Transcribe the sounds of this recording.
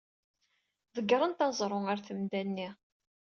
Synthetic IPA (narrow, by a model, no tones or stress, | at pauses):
ðəɡːɾˤənt̪ɑzˤɾˤoaɾθəmd̪ænːi